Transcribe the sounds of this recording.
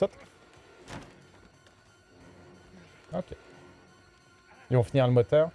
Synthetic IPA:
ɔt̪ | okʲʰe | ilvɔ̃finiʁləmɔt̪œːʁ

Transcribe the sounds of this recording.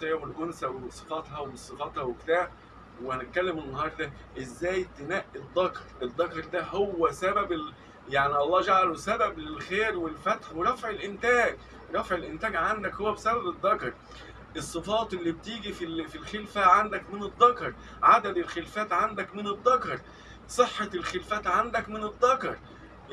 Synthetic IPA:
t̪ˤewelʔonsæwesˤefɑt̪hɑweesˤefɑt̪hɑwekt̪aːʕ | wehænet̪̚kælːemenːɑhɑːɾˤd̪ɑ | ʔezːæːj̚t̪enæʔːid̪ˤːɑkɑɾˤʔed̪ˤːɑkɑɾˤd̪æɦowːæsæbæbe | jaʕniɑlˤːɑːd͡ʒaʕalosæbæblelxeːɾwelfæt̪ħweɾˤɑfʕelʔent̪æːɡ | ɾˤɑfʕelʔɪnt̪æːɡʕand̪ækhowːæbesæbæbed̪ˤːɑkɑɾˤ | ʔesˤːɨfɑːt̪ˤʔelːibt̪iːɡififilxelfæʕand̪ækmɪned̪ˤːɑkɑɾˤ | ʕad̪æd̪elxelfæːt̪ʕand̪ækmɪned̪ˤːɑkɑɾˤ | sˤeħːɑlxelfæːt̪ʕand̪ækmɪned̪ˤːɑkɑɾˤ

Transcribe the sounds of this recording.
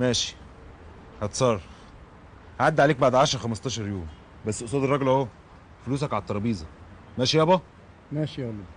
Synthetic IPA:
mæːʃi̥ | hæt̪sˤɑrˤ | haʕad̪ːʕaleːk̚baʕd̪ʕaʃɾˤxæmɑst̪ˤɑːʃɑɾˤjoːm | bæsːʔosˤɑːd̪erˤːɑɡlho | foluːs̬ækʕalt̪ːˤɑɾˤɑbiːzˤɑ | mæːʃijæbɑ | mæːʃiælːɑ

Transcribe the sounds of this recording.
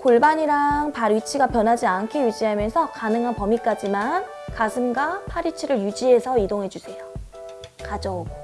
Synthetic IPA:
koɭbaɲiɾaŋpaɾɥit͡ɕʰiɡapjʌnɦad͡ʑiankʰejud͡ʑiɦamjʌnsʰʌkanɯŋɦanpʌmik͈ad͡ʑiman | kasʰɯmɡapʰaɾit͡ɕʰiɾɯɭjud͡ʑiɦe̞sʰʌidoŋɦe̞d͡ʑusʰe̞jo | kad͡ʑʌuɡo

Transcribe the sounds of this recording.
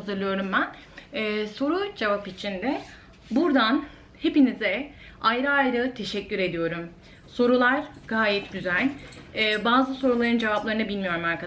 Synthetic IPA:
azɯɾlˠɯjo̞ɾumbæn | ɛːso̞ɾud͡ʒevapit͡ʃʰind̪ɛ | buɾd̪an | he̞pinizɛ | ajɾɯajɾɯt̪ʰe̞ʃɛcːyɾe̞d̪ijo̞ɾum | so̞ɾulˠaɾɡ̥aːjɛt̪ɟyzælʲɛːbaːzɯso̞ɾulˠaɾɯnd͡ʒe̞vaplˠaɾɯnɯbilʲmijo̞ɾumaɾkʰa

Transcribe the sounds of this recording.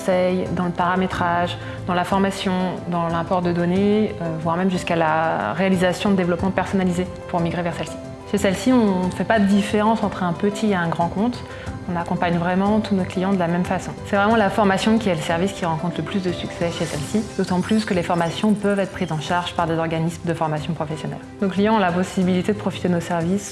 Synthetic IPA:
sɛjd̪ɑ̃ləpaʁamet̪χaʒ | d̪ɑ̃lafɔʁmasjɔ̃d̪ɑ̃lɛ̃pɔʁd̪əd̪ɔneøvwaʁmɛmʒyskalaʁealizasjɔ̃d̪əd̪evlɔpmɑ̃pɛʁsɔnalize | puʁmiɡʁevɛʁsɛlsi̥ | ʃesɛlsiɔ̃fɛpad̪əd̪ifeʁɑ̃sɑ̃t̪χɛ̃pət̪ʰieɛ̃ɡʁɑ̃kɔ̃t̪ | ɔ̃nakɔ̃paɲvʁɛmɑ̃t̪unoklijɑ̃d̪əlamɛmfasɔ̃sɛvʁɛmɑ̃lafɔʁmasjɔ̃kʲiɛləsɛʁviskʲiʁɑ̃kɔ̃t̪χʰləplysd̪əsyksɛʃesɛlsid̪̥ot̪ɑ̃plyskəlefɔʁmasjɔ̃pœvɛt̪χəpχizɑ̃ʃaʁʒ̥paʁd̪ezɔʁɡanismd̪əfɔʁmasjɔ̃pχɔfɛsjɔnɛ̰l | noklijɑ̃ɔ̃lapɔsibilit̪ed̪əpχɔfi̥t̪ed̪ənosɛʁvis

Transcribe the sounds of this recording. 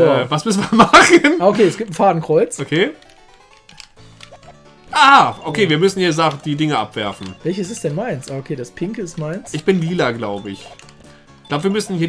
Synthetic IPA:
vasmʏsn̩vamaχənʔaːokʰeːɛsɡ̥iːp̚tn̩faːdn̩kʁ̥ɔʏt͡sokʰeː | ʔaːʔokʰeːviːɐmʏsn̩hiːɐzaχd̥iːdɪŋəʔa̰pv̥ɛɐfn̩vɛlçəs̬ɛsd̥ɛnmaɪnsʔaːokʰeːdaspʰɪŋkəɪstmaɪnsʔɪçb̥ɪnliːlɐɡlaʊbəɪ̰ç̥ | laʊbəviɐmʏsn̩hiːɐ

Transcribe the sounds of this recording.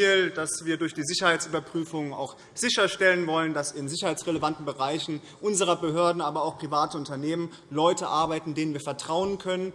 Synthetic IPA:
ld̥asv̥iːɐdʊɐçd̥iːzɪçɐhaɪtt͡sʔyːbɐpʁ̥yːfʊŋa̰ʊx | z̥ɪçɐʃtɛlənvɔləndasɪnzɪçɐhaɪt͡sʁ̥ɛləvantn̩bəʁaɪçn̩ | ʔʊnzəʁɐbəɦøːɐdn̩aːbɐaʊxpʁ̥ivaːtəʊntɐneːmən | lɔʏtəʔaɐbaɪtn̩deːnənviːɐfɛɐtʁ̥aʊənkʰœnən

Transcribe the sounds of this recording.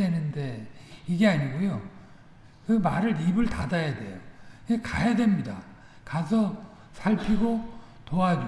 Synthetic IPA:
enɯnde̞iɡe̞aɲiɡojo | kɯmaɾɯɾibɯɭtadajadwe̞̰jokekajadwe̞mɲida | kas̬ʰʌ | sʰaɭpʰiɡo | toad͡ʑu

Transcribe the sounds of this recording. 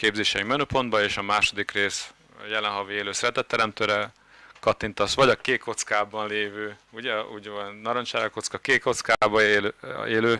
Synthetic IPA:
keːbzeːʃɛimɛnøːpo̞nd̪̚bɒeːʃɒmaːʃo̞d̪ikreːs | jɛlɛnɦɒvieːløːsrɛt̪ɛt̪ːɛɾɛmt̪øːɾɛ | kɒt̪int̪ɒsʋɒɟɒkeːkʰo̞t̪skaːbɒnleːvøːuɟɛuɟvonɒɾont͡ʃaːɾɛko̞t̪skɒkeːko̞t̪skaːbɒeleːløː

